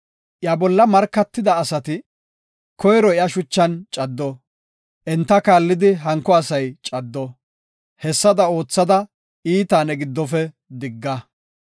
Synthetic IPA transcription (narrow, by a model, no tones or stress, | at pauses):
ʔjabɔlːɐmɐɾkːɐt̪ːɪd̪ɐːsɐt̪ɪ | kɔjɾɔɪjɐʃʊt͡ʃːɐnt͡ʃʼɐd̪ːɔ | ʔɛnt̪ːɐkaːlːɪd̪ɪɦɐŋkːɔɐsɐjt͡ʃʼɐd̪ːɔ | hɛsːɐd̪ɐo̞ːt͡sːɐd̪ɐ | iːt̪aːnɛɡɪd̪ːɔfɛ | d̪ɪɡːɐ